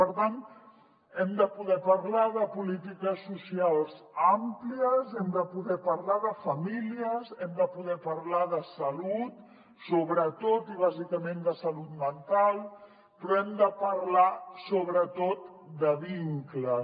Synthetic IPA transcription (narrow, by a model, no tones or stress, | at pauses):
pəɾt̪ant̪ | ɛmd̪əpuðɛpəɾlaðəpulit̪ikəsːusialˠz | ampliəzɛmd̪əpuðɛpəɾlaðəfəmiliəzɛmd̪əpuðɛpəɾlaðəsəlut̪ | soβɾət̪ot̪iβ̞azikəmẽnd̪əsəlut̪mənt̪alˠ | pɾɔɛmd̪əpəɾlasoβɾət̪ot̪ | d̪əβiŋklə